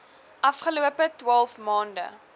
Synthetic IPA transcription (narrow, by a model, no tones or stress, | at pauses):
ʔɐfχəluəpətwɑlˠfmɑːndə̰